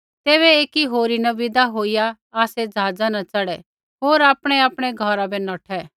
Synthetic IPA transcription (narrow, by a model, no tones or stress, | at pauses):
t̪eːβɛeːkiɦoːɾinɐʋɪd̪aɦoːijaː | sɛd͡zaːd͡zanɐt͡sɐɽɛ | ɦoːɾaːpɽ̃ɛaːpɽ̃ɛɡʱɐɾabɛnɔːʈʰɛ